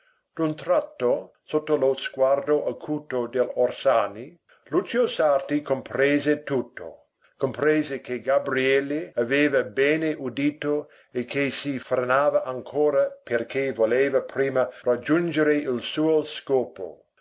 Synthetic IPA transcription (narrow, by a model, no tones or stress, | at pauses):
d̪̥unt̪ɾat̪ːo | sot̪ːolozɡward̪oʔakʰuːt̪od̪elorsaːni | lut͡ʃiosart̪ikompɾeːzet̪ut̪ːo̰ | kompɾeːzekeɡabɾiɛlːeaveːvɐbɛːneʔud̪iːt̪o | ekʰːesifrenaːvaʔaŋkʰoːɾaperkʰevoleːvɐpɾiːmɐrad͡ʒund͡ʒeɾeilsuːoskoːpo̰